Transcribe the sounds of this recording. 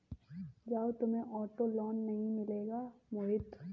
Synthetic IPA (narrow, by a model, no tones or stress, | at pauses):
d͡ʒaːot̪ʊmẽʔɔːʈolɔːnːɐɦĩmɪleːɡaːmoːɦɪt̪